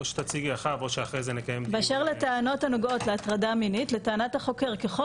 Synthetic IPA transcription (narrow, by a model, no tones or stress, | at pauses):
oʃe̥t̪at͡siɡiaχavo̞ʃeaχʁejzenekajembeaʃeʁletaano̞thanoɡo̞tleat̪ʁadaminitletaːnathaχo̞ke̞ʁkeχo